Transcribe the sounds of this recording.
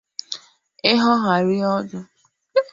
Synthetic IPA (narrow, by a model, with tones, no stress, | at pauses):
ɪ˦ɦɔ˦ɦa˨ɾi˦ɔ˦dʊ˦